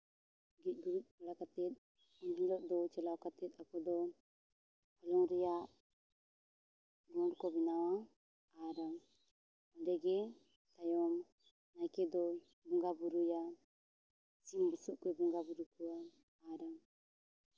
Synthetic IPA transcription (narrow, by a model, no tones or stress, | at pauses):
ɡic̪̚ˀɡuɾuc̪̚ˀbɔɽakat̪ɛt̪̚ | ɔnɡilɔʔ̚d̪ɔt͡ʃɛlawkat̪ɛt̪̚akʰɔd̪ɔ | hɔlɔŋɾɛjaʔ | ɡɔɾkɔbinawa | aɾaŋ | ɔdɛɡɛ | t̪ajɔm | najkɛd̪ɔ | bɔŋɡabuɾuja | simbusuʔkɛbuŋɡabuɾukuwa | aɾaŋ